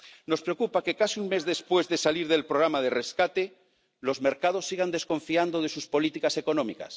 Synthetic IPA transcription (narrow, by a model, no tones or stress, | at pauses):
no̞spɾeokupakekasiuŋmezðe̞spwe̞zðe̞saliɾðe̞lpɾoɣɾamaðe̞re̞skat̪e̞ | lo̞zme̞ɾkað̞o̞sːiɣ̞and̪e̞sko̞ɱfiand̪oðe̞suspo̞lit̪ikase̞ko̞nõ̞mika̰s